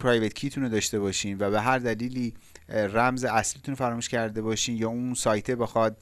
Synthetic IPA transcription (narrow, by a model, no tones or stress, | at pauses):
pʰɾɒːjvet̪̚cʰiːt̪ʰuned̪ɒːʃt̪e̞bɒːʃiːnvæβeɦæɾd̪æliːliːræmzeæsliːt̪ʰunfæɾɒːmuːʃcʰæɾd̪e̞bɒːʃiːnjɒːunsɒːjt̪ʰebexɒd̪̚